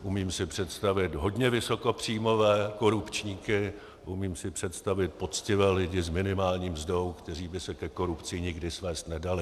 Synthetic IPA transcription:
ʔumiːmsɪpr̝̥ɛt̪st̪avɪt̪ɦo̞dɲɛvɪso̞ko̞pr̝̥iːmo̞vɛːko̞ɾupt͡ʃɲiːkɪ | ʔumiːmsɪpr̝̥ɛt̪st̪avɪt̪̚po̞t͡scɪvɛːlɪɟɪzmɪnɪmaːlɲiːmzdo̞wkt̪ɛr̝iːbɪsɛkɛko̞ɾupt͡sɪɲɪɡdɪsvɛːst̪nɛdalɪ

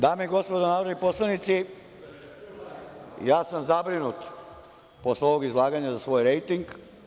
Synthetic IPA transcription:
d̪aːmeiɡo̞spod̪onaːɾod̪nipo̞slˠanit̪si | jaːsamzabɾinut̪ | po̞sleo̞ʋo̞ɡizlˠaːɡaɲazasʋo̞ːjɾejt̪iŋɡ

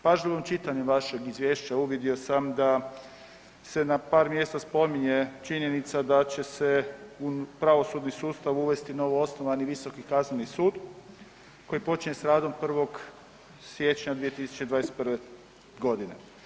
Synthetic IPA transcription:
paʒalomt͡ʃit̪aɲemʋaʃe̞ɡizʋʲje̞ːʃt͡ɕauʋid̪io̞samd̪a | se̞napaːɾmje̞ːst̪aspo̞miɲe̞t͡ʃiɲe̞nit̪sad̪at͡ɕe̞seupɾaʋo̞sud̪nisuːst̪aʋuʋe̞st̪ino̞ʋoo̞snoʋaniʋiso̞kikaznenisuːd̪ | ko̞jipo̞t͡ʃiɲe̞sɾaːd̪o̞mpr̩ʋo̞ɡ | sje̞t͡ʃɲad̪ʋije̞t̪isu̥t͡ʃed̪ʋaːɾest̪̚prʋe | ɡo̞d̪inḛ

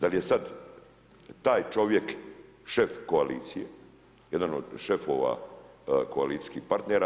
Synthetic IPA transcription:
d̪aljesad̪ | t̪aːjt͡ʃo̞ʋjek | ʃefkoalḭːt̪sije | jed̪anod̪ʃe̞foʋa̰ | koalit̪i̥skihpaɾt̪neɾa

